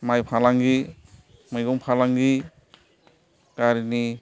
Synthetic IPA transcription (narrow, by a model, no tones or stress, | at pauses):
majpʰalaŋɡi | majɡɔŋpʰalaŋɡi | ɡ̥aɾini